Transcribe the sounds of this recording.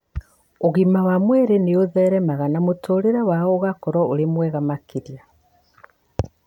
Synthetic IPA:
oɣimawamweɾeneoðɛɾɛmaɣanamutʰoɾeɾawaɣoɣakɔɾɔolemwɛːɣamakiɾja

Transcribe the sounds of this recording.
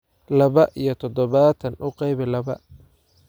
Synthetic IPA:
lɐβɐʔijɞt̪ʰɔd̪ɔβat̪ʰɐnʔʊqɑjβɛlɐβɐ

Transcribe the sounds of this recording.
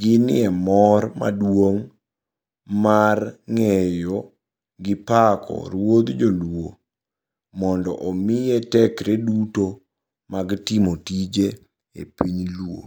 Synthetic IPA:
ɡɪnɪɛmɔrma̰dwoŋ | marŋɛjɔ | ɡɪpakʰɔ̰ɾwod̪d͡ʒolwo | mɔndɔ̰ʔomɪjetɛkɾeduto | maɡtɪmotid͡ʒe | ḛpiɲlwo̰

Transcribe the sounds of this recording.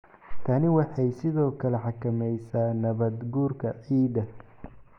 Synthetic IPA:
t̪ʰɐnɪwɑħɑjsɪðɔːkʰɐlɛħɑkʰɐmɛjsaːnɐβɐd̪ɡuːrkʰɐʕiːdɐ

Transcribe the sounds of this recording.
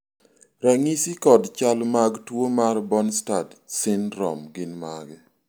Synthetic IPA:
ɾaŋisikɔdt͡ʃalmaɡtwomarbɔnstadsɪnrɔ̰mɡɪnmaɡɛ

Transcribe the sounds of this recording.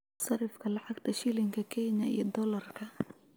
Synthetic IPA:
sɐɾɪfkʰɐlɑʕɑɡt̪ʰɐʃilɪŋkʰɐkʰɛːɲɐḭjɞd̪ɔlɐrkʰɐ

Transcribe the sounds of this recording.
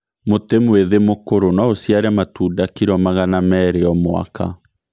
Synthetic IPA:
motemweðemokoɾonaosjaɾɛmatuːdakiɾɔmaɣanamɛːɾeɔmwa̰ka

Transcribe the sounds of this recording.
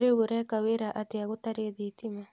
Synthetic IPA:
ɾeβuɾɛkaweɾaʔateaɣotaɾeðitima

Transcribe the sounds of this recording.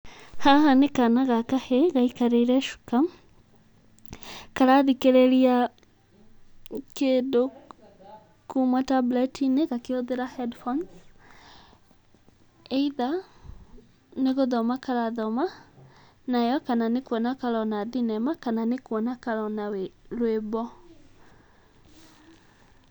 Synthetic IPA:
hahanekanaɣakaheɣaikaɾeiɾɛʃu̥kam | kaɾaðikeɾɛɾia | kedo | kumatablɛtʰineɣakeoðeɾahɛdfɔns | eiða | neɣoðɔmakaɾaðɔma | najɔkananekwɔnakaɾɔnaðinɛmakananekwɔnakaɾɔnaweɾwebɔ

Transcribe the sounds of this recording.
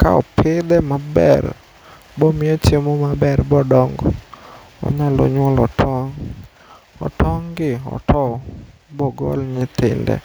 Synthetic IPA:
kaɔ̰pʰɪd̪ɛmabɛ̰r | bɔmɪjɛt͡ʃemomabɛrbɔdɔŋɡɔ | ɔ̰ɲalɔ̰ɲwɔlɔtʰɔŋ | ɔ̰tɔŋɡɪɔ̰tʰɔ | bɔɡɔ̰lɲɪt̪ɪ̰ndɛ̰

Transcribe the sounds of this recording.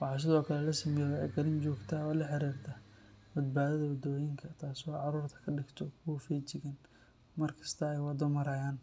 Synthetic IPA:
wɑħɑːs̬ɪðɔːkʰɐlɛlɐsɐmɛjɛwɛʕɛ̰ɡɐlɪnt͡ʃɔːɡt̪ʰaːɔːlɐħɪɾiːrt̪ʰɐ | bɐd̪̚baːðɐðɐwɐd̪ɔːjɪŋkʰɐt̪ʰaːswɑːʕɑɾuːrt̪ʰɐ̥kʰɐɖɪɡt̪ʰɔkʰʊwɐfɛːt͡ʃɪɣɐn | mɐrkʰɐ̥st̪ʰɐɛjwɑd̪ɔmɐɾɐːjaːn

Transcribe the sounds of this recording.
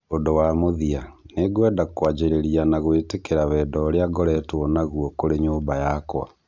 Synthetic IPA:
ondowamoðia | neɣwɛdakwad͡ʑeɾeɾianaɣoetekeɾaβɛːdɔɾeaɡɔɾɛtwɔnaɣwɔkoɾeɲoːmbajakwa̰

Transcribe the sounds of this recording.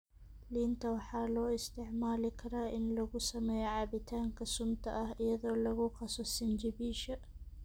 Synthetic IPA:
lɪnt̪ʰɐwɑħɑːlɔːɪst̪ɪʕmaːlɪkʰɐɾaːʔɪnlɐɣʊsɐmɛːjʕɑbɪt̪ʰaːŋkʰɐsʊmt̪ʰɐ̰ʔɐhʔɪjɐðɔːlɐɣʊqɑsɔsɪnd͡ʒɪbiːʃɐ

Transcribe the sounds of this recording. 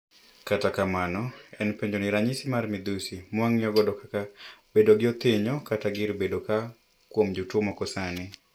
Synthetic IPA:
katakamanɔɛnpeɲd͡ʒoniɾaɲɪsimarmɪd̪usimwaŋjɔɡɔdɔkaab̥edoɡɪɔt̪ɪɲɔkataɡɪɾbedoka | kwomd͡ʒutwomɔkɔsanɪ

